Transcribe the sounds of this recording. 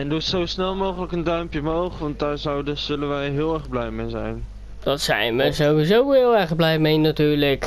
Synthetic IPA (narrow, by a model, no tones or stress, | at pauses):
ɛndɔsowsnɛlˠmowχələkəndœɥmpjəmowχʋɑntdaːɹzɑwdə̥ɵlənʋɛjɦɪːlˠɛɹχblɛjmejzɛ̰jn | d̥ɑtsɛ̰jnʋəzowʋizowɦɪːlˠɛɹχblɛjmejnatyːɹlək